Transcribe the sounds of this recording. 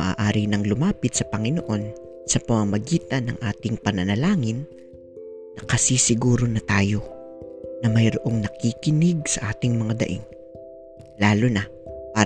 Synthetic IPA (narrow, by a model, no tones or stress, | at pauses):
ɐʔa̰ːʔaːɾinɐŋlʊmaːpɪt̪̚sɐpɐŋɪnoʔo̞n | sɐpɐmɐmɐɡiːt̪ɐnɐ̰ŋʔaːt̪ɪŋpɐnɐnɐlaːŋɪnː | ɐkɐsisɪɡuːɾo̞nɐt̪aːjo̞ | nɐmɐjɾoʔo̞ŋnɐkikɪnɪɡ̚sɐʔaːt̪ɪŋmɐŋad̪ɐ̰ʔɪ̰n | laːlonɐ | paː